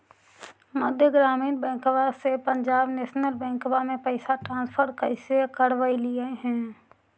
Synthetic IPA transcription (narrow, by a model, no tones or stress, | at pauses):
mʊd̪ʱjəɡɾaːmiːnbɛ̃ːŋkbasepə̃ɲd͡ʒaːbneːʃnəlbɛ̃ːkbamẽpəɪsaʈɾãːnspʰəɾkəɪsekəɽʋəilieɦɛ̃ː